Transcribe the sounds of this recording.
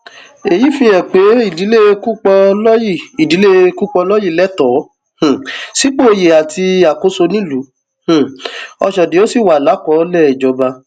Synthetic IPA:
e˨ji˨˦fĩ˧˦jɛ̃˨k͡pe˨˦i˦˨di˨˦le˦ku˦k͡pɔ˧lɔ˦ji˦˨i˨di˨˦le˦ku˦k͡pɔ˧lɔ˦ji˦˨lɛ˦tɔ˨˦ | h̩˨si˨˦k͡po˦˧je˨a˨ti˧a˨ko˨˦so˧nĩ˦lu˨˦ | h̩˨ɔ˧ʃɔ˨dĩ˨˦o˦si˦˨wa˨la˨˦kɔ̃˨˦lɛ˦˨d͡ʒɔ˧ba˧

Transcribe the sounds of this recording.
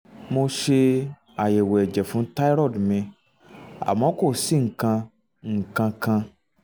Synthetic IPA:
mo˧ʃe˧ | a˨je˨wɛ˨d͡ʒɛ˨fũ˨˦ta˦i˦ɾɔ˦˨dmĩ˧ | a̰˨mɔ̃˨˦ko˦˨si˦ŋ̩˨kã˧ | ŋ̩˨kã˧kã˧

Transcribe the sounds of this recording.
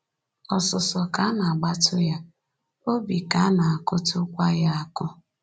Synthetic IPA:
ɔ˨sɔ˨sɔ˨ka˦na˨a˨ɡ͡ba˦tʰʊ˦ja˦ | o˦bi˨ka˨˦na˨a˨kʊ˦tʊ˦kʷa˦ja˦a˨kʊ˦

